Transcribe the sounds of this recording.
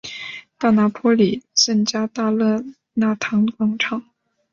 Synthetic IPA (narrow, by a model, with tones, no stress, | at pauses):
t̪a˥˩na˧˥pʰwɔ˥li˨˩sə˥ŋt͡ɕja˥t̪a˥˧lɤ˥˧˩ | na˥˩t̪ʰɑ˧˥ŋkwɑ˥ŋʈ͡ʂʰɑ˨˩˦ŋ